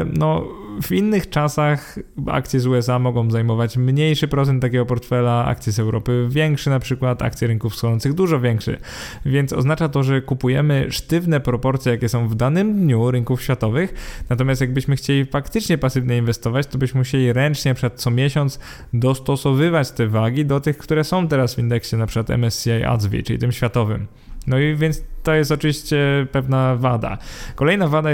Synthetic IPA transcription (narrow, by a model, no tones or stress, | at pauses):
nɔvinːɘxt͡ʂasaxa̰k̚t̪sʲjɛzuɛs̬amɔɡɔ̃w̃zajmɔvat͡ɕmɲejʂɘpɾɔt̪sɛnt̪ːakʲɛɡɔpɔɾt̪fɛlaa̰k̚t̪sʲjizɛwɾɔpɘvʲjɛŋkʂɘnapʂɘkwat̪a̰kt̪sjɛɾɘŋkufsxɔɔnt̪sɨɣd̪uʐɔvʲjɛŋkʂɛ̰ | vʲjɛnt̪sɔ̰znat͡ʂat̪ɔʐɛkupujɛmɘʂt̪ɘvnɛpɾɔpɔɾt̪sʲjɛjakʲɛsɔ̃w̃vd̪anɘmd̪ɲuɾɘŋkufɕfʲjat̪ɔvɘxnat̪ɔmjast̪jaɡ̚bɘɕmɘxt͡ɕelʲifakt̪ɘt͡ʂɲɛpasɘvɲɛinvɛst̪ɔvat͡ɕt̪ɔbɘɕmɘmuɕelʲiɾɛnt͡ʂɲɛnapʂkat̪t̪sɔmʲjɛɕɔnt̪s | d̪ɔst̪ɔsɔvɘvat͡ɕt̪ɛvaɡʲid̪ɔt̪ɘxkt̪uɾɛsɔ̃w̃t̪ɛɾasvʲind̪ɛkɕɛnapʂɨkwat̪ɛ̰mɛsaja̰zvʲḭt͡ʂɘlḭt̪ɘmɕfʲjat̪ɔvɘ̰m | nɔivʲjɛnt̪st̪ɔjɛst̪ɔt͡ʂɨvʲiɕt͡ɕɛpɛvnavad̪a̰kɔlɛjnavad̪a